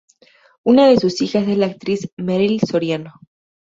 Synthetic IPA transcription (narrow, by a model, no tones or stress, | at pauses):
unaðe̞susixas̬e̞slaːk̚t̪ɾizmeɾilso̞ɾjano